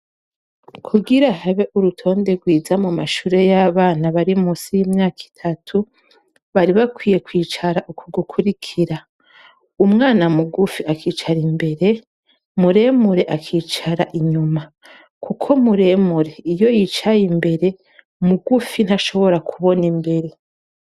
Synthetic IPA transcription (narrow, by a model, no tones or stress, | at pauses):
kʰuɡiɾahaβeʔuɾutʰo̞ːnde̞ɡwiːzamumaʃuːɾe̞jaːβaːnaβaɾimusijimɲaːkʰi̥tʰatʰu | βaɾiβakwiːje̞kwiːt͡ʃaɾaʔukʰuɡukʰuɾikʰiɾa | umŋaːnamuɡufiakʰiːt͡ʃaɾimbe̞ɾe̞ | muɾe̞ːmuɾe̞ʔakʰiːt͡ʃaɾaʔiɲuma | kukʰo̞muɾe̞muɾe̞ijo̞jit͡ʃajimbe̞ɾe̞ | muɡufin̥haʃo̞βo̞ɾakʰuβo̞nimbe̞ɾe̞